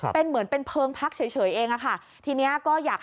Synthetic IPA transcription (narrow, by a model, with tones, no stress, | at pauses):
pe˧nmɯ˩˦npe˧npʰɤː˧ŋpʰa˦˥k̚t͡ɕʰaː˩˦jt͡ɕʰɤː˩˦jʔeː˧ŋʔa˧˩kʰa˥˩ | t̪ʰiː˧ni˦˥ɐkɔː˥˩jaː˨˩k̚